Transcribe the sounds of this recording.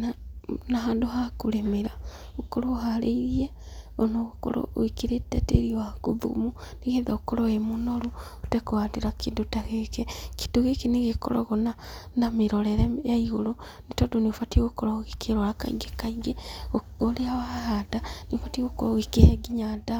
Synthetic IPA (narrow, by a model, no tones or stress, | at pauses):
nanaɦaːnduɦakulemeɾa | okoɾohalḛiɾie | onoɣuko̰lo̰ikiɾeteteɾiwakuðṵmuniɣeðaokoloemunoɾu | u̥tekowatiɾakidutaɣekeki̥duɣekiniɣeko̰lo̰ɣonanamiɾoleɾejaiɣolo | nitodoniofatiɣokoɾoɣikeɾolaka̰ḭɡekaiɡeoleawahadaniofatiɣokoɾoɣikeheɡiɲada